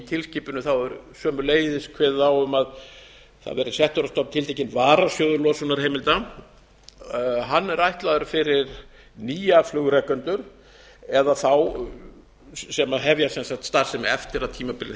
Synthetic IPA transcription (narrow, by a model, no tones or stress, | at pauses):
t̪ʰɪlsciːpʏnʏθawɛɾsœːmʏleːjðɪskʰvɛːðawʏmað | θa̰ðvɛɾɪsɛht̪ɔɾast̪ɔp̚nt̪ʰɪlt̪ʰejcɪnvaːɾasjoːwðʏɾlɔsʏnaɾ̥heːjmɪlt̪a | ɦanːɛɾajht̪laðʏɾfɪɾɪɾ | niːjaflʏɣɾɛkːʏnt̪ʏɾ̥ | ɛðaθaw | sɛmaɦɛvjasɛnsaxkt̪st̪aɾsɛmɛft̪ɪɾaðt̪ʰiːmapɪlɪ